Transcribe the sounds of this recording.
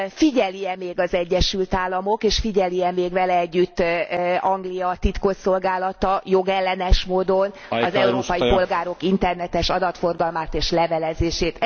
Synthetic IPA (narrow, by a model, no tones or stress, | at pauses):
fiɟɛlijɛmeːɡɒzɛɟːɛʃylt̪aːlːɒmo̞keːʃfiɟɛlijɛmeːɡʋɛlɛɛɟːyt̪ːɒŋɡlijɒt̪it̪ko̞so̞lɡaːlɒt̪ɒjo̞ɡɛlːɛnɛʃmoːd̪o̞n | ɒzɛuɾoːpɒjipo̞lɡaːɾo̞kint̪ɛrnɛt̪ɛʃɒd̪ɒt̪fo̞rɡɒlmaːt̪eːʃlɛvɛlɛzeːʃeːt̪